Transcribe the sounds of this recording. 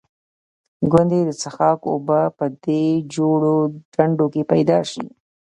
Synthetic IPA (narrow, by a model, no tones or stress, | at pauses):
ɡwand̪ed̪ət͡saxɑko̰bapəd̪ed͡ʒoɽoɖaɳɖokepajd̪ɑʃḭ